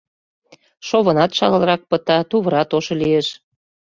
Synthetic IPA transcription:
ʃoβə̆nɑt̪ʃɑlə̆lrɑk̚pə̆t̪ɑt̪uβə̆ɾɑt̪oʃŏlijeʃ

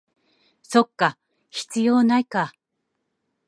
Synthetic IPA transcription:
so̞kːa | çi̥t͡sɨjo̞ːnaika

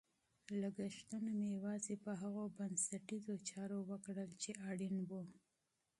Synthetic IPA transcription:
laɡəʃt̪anomejawɑzepəɦaɣobansaʈizot͡ʃɑɾowəkɽəlt͡ʃeʔɑɽinwu

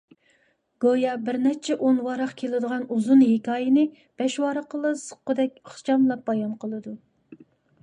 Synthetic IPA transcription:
ɡ̥ojɑbɪɾnɛt͡ʃʰɛʔonwɑɾɑqkʲʰelɪd̪əʁɑnuzunhekʲɑːjɪnɪ | b̥ɛʃwɑɾɑqəlˠɨsə̥qːʊd̪ɛkʲχt͡ʃɑmlˠɑp̚bɑjɑnqʰəlˠɨd̪u

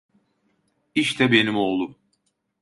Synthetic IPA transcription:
iʃt̪ʰɛbe̞nimo̞ːlˠum

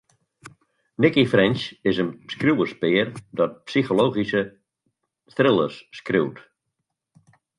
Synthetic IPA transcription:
nɪkifrɪnʃɪsənpskruwəspɪːərdɔt̚psixoloːɣisə | strɪlˠərsːkruwt

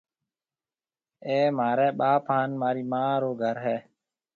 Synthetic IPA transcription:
eːmaːɾɛːɓaːpɦaːnmaːɾiːmaːɾoːɡʱəɾɦɛː

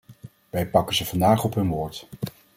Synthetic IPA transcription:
ʋɛjpɑkənzəv̥ɑndaːχɔpɦɵnʋoːɹt

